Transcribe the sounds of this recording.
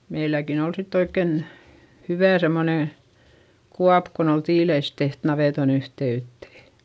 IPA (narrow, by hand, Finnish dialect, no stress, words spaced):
meilækin ol sitː oikːen hyʋæˑ semːoneˑ kuɑp kon ol tiːleis teht nɑʋeˑton yhteytːeˑ